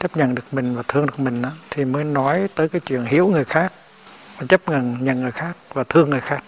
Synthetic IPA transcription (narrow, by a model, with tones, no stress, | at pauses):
t͡ɕə˦˥p̚ɲə̰˧˨nɗɨ˨˩ək̚mï˨˩ŋ̟vaː˨˩t̪ʰɨ˧əŋɗɨ˨˩ək̚mï˨˩ŋ̟ʔaː˨˦t̪ʰi˨˩məː˨˦jnɔ˨˦jt̪əː˨˦jkaː˨˦jt͡ɕwḭ˧˨ənɦi˨˦əwŋɨ˨˩əjxaː˦˥k̚ | vaː˨˩t͡ɕə˦˥p̚ŋə˨nɲə̰˧˨nŋɨ˨˩əjxaː˦˥k̚vaː˨˩t̪ʰɨ˧əŋːɨ˨˩əjxaː˦˥k̚